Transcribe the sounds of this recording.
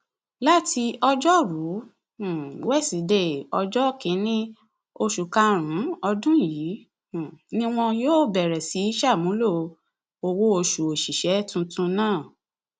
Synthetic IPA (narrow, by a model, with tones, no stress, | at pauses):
la˦ti˧ɔ˧d͡ʒɔ˦ɾu˨˦˨ | wɛ˦˨si˨˦de˦˨ɔ˧d͡ʒɔ˦kĩ˨˦nĩ˦ | o˧ʃu˨ka˧˦ɾ̃ũ˨˦ɔ˧dũ˦jĩ˨˦˨ | nĩ˦w̃ɔ̃˧joː˦˨bɛ˨ɾɛ˨si˨˦i˦ʃa˦˨mũ˨˦lo˦ | o˧wo˦o˧ʃu˨o˨ʃi˨ʃɛ˨˦tũ˧tũ˧nãː˦˨